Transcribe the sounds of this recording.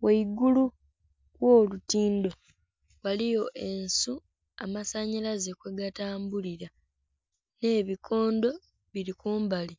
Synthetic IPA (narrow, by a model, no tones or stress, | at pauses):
weiɡulu | wo̞ːlutiːndo̞ | walijo̞ʔe̞nsu | amasaɲilaze̞kwe̞ɡataːmbuliɾa | ne̞ːβikʰo̞ːndo̞ | βiɾikuːmbali